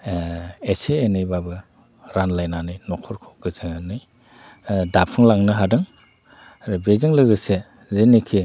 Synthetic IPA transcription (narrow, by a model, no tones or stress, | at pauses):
eseːnɯjbabɯ | ɾanlajnanɯjnɔkʰɔɾkʰɔɡ̥ɯzɯŋanɯj | dapʰɯŋlaŋnɯɦadɯŋ | ɾɯbezɯŋlɯɡɯse | zenikʰi